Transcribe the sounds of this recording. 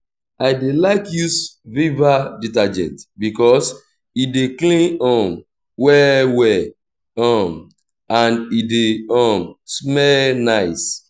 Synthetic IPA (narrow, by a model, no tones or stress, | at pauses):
aɪdelaɪkjusvivaditad͡ʒɛ̰̃ntbikɔs | ideklĩnɔ̃m | wɛwɛ | ɔm | ãnideɔmsmɛlnaɪs